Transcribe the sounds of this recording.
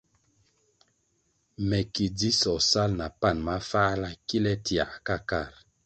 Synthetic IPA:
mɛ˨ki˨di˦sɔ˨sa˦lna˨pa˦˨nma˦fa˦la˦ki˦lɛ˦ti˨a̰˨ka˦ka˦˨ɾ

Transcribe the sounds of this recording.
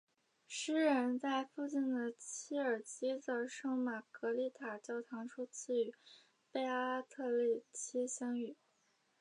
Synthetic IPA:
ʂɻ̩˥ɻə˧˥nt͡sa˥˧ɪfu˥˧t͡ɕi˥˩nd̪ə˩t͡ɕʰi˥ə˞˨˩t͡ɕi˥t͡sə˧˥ʂɤ˥ŋma˨˩kɤ˧˥li˧˥˩t̪ʰa˨˩t͡ɕjɑ˥˩ʊt̪ʰɑ˧˥ŋʂʰu˥t͡sʰi˥˩y˧˥ | pe˥˧ɪa˥t̪ʰɤ˥˧li˥˩t͡ɕʰi˥ɕjɑ˥ŋy˨˩˦

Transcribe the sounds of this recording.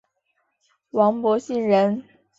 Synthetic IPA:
wɑ˧˥ŋpwɔ˧˥ɕi˥˩nɻə˧˥n

